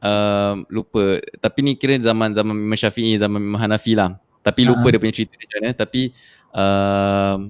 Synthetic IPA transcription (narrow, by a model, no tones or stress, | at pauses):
ʔəmlupət̪apinĩkiɾəzamãnzamãnmə̃nʃafiʔizamãnmə̃ɦanafilah | t̪apilupədiəpuɲãt͡ʃɾit̪ədit͡ʃuanət̪api | əm